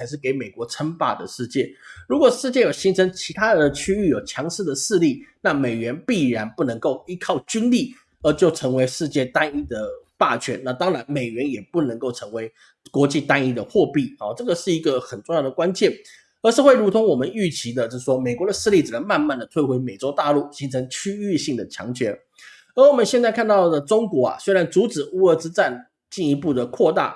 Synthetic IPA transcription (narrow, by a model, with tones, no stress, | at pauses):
a˧˥ɪʂ̬ɻ̩˥˩ke˧˥ɪme˨˩ɪkwɔ˧˥ʈ͡ʂʰə˥ŋpa̰˨˩d̪ə˩ʂɻ̩˥˧t͡ɕjɛ˥˩ɻu˧˥kwɔ˨˩ʂɻ̩˥˧t͡ɕjɛ˥˩jo˨˩ʊɕi˥ŋt͡sʰə˥ŋt͡ɕʰi˧˥t̪ʰa˦˥˧ə˩t͡ɕʰy˥y˥˩jo˨˩ʊt͡ɕʰjɑ˧˥ŋʂ̩˥˩d̪ə˩ʂɻ̩˥˧li˥˩na˥˩me˨˩ɪɥɛ˧˥npi˥˩ɻa˧˦˥npu˥˩nə˧˥ŋko˥˩ʊi˥kʰɑ˥˨˩ʊt͡ɕy˥nli˥˩ | ə˞˨˧˥t͡ɕjo˥˩ʊʈ͡ʂʰɤ˧˥ŋwe˧˥ɪʂɻ̩˥˧t͡ɕjɛ˥˩t̪a˥ni˥d̪ə˨pa˥˩t͡ɕʰɥɛ̰˧˥nna˥˧t̪ɑ˥ŋɻa˧˥nme˨˩ɪɥɛ˧˦˥njɛ˨˩pu˥˩nə˧˥ŋko˥˩ʊʈ͡ʂʰɤ˧˥ŋwe˧˥ɪ | kwɔ˧˥t͡ɕi˥˧t̪a˥ni˥˩d̪ə˨xwɔ˥˧pi˥˩ɔ˨ʈ͡ʂɤ˥˩ɡə˩ʂɻ̩˥˩i˧˥ɡə˨xə˨˩nʈ͡ʂo˥˧ŋjɑ˥˩d̪ə˩kwa˥nt͡ɕjɛ˥˩n | ə˧˥ʂ̩˥˧xwe˥˩ɪu˧˥t̪ʰʊ˧˥ŋwɔ˨˩mə˦ny˥˩t͡ɕʰi˧˥d̪ə˨t͡ɕjo˥˧˥ʂwɔ˥me˨˩ɪkwɔ˧˦d̪ə˨˩sɹ̩˥˧li˥˩t͡s̩˨˩lə˧˦ma˥˧nma˥˩nd̪ə˩t̪ʰwe˥˩ɪxwe˧˥ɪme˨˩ɪt͡so˥ʊt̪a˥˧lu˥˩ɕi˧˥ŋt͡sʰɤ˧˥ŋt͡ɕʰy˥y˥˧ɕi˥˩ŋd̪ə˩t͡ɕʰjɑ̰˧˥ŋt͡ɕʰɥɛ˧˥n | ə˞˧˥wɔ˨˩mə˦nɕjɛ˥˧nt͡sa˥˧ɪkʰa˥˧nt̪ɑ˥˩ʊd̪ə˩ʈ͡ʂʊ˥ŋkwɔ˧˥a̰˨˩swe˥ɪɻa˧˦nt͡su˧˥t͡sɹ̩˨˩u˥ə˧˥˩t͡sɻ̩˥t͡sa˥˩n | t͡ɕi˥˩ni˧˥pu˥˩d̪ə˩kʰwɔ˥˧t̪a̰˥˩